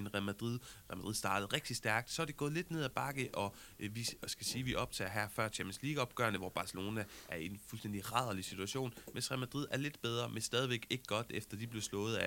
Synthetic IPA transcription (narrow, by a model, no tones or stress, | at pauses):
enʁæmæ̥ʁið̰ˠʁæmæd̥ʁiðˠsd̥ɑ̈ːd̥əð̞̩ˠʁeɡ̥̚d̥isd̥æɐɡ̥̚d̥sɒæɐd̥e̝ɡ̥ɔ̽ːð̩ˠle̝d̥ne̝ð̞ˠæb̥ɑ̈ɡ̥əʔɒ̽ | ʋisɡ̥æsiːʋiʔɒ̽b̥̚t͡sʰɛ̰ːɐɦæɐfɶɐ̰t͡ɕʰemən̩sliːɡ̥ɒ̽b̥̚ɡ̥ɶːɐnəʋɒb̥ɑ̈səlo̝ːnæʔæɐienfulsd̥en̰d̥iʁɑ̈ð̞̰ˠɐlisit͡sʰuæɕo̝̰ːnmensʁæmæd̥ʁiðˠæɐle̝d̥̚b̥eð̞ˠʁɐmensd̥ɛːð̞ˠiʋeɡ̥e̝ɡ̥əɡ̥ɒ̽d̥efd̥ɐd̥ib̥le̝slɔ̽ːð̩ˠæ